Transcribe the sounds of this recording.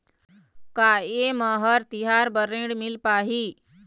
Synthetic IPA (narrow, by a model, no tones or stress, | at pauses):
kaeməɦəɾt̪iɦaɾbəɾẽɳɖmilpaːɦi